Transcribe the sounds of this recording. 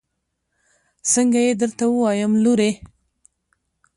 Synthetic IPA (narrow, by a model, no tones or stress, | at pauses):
səŋɡajed̪əɾt̪awəwɑjəmluɾe